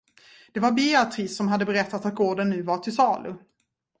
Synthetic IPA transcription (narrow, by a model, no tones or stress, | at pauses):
d̪̥ɛvaɾbeat̪ʰɾɪsːɔmɦad̪ːəbɛɾɛt̪ːat̪at̪̚ɡoːɖənːʉ̟ːvaʈʰɪlsɑːlɵ̰